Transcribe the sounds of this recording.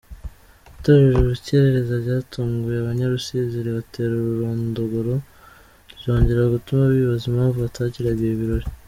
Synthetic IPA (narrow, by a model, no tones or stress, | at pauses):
itoɾeʒuβice̞ɾeɾe̞zaɾɟaːtʰuːŋɡujeaβaɲaɾusiziɾiβateːɾuɾuɾondoɡoɾo̞ | zo̞ːɲɟe̞ɾaɡutumaβiβazimhaːɱvuβatʰaːciɾaɡijeβiɾo̞ɾi